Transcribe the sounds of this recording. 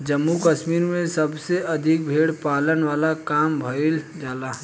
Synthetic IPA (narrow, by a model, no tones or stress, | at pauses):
d͡ʒəmːukəʃmiːɾmẽsɐbseʔɐd̪ʱɪk̚bʱeːɽpaːlənʋaːlakaːmbʱɐɪl | d͡ʒaːlaːɦ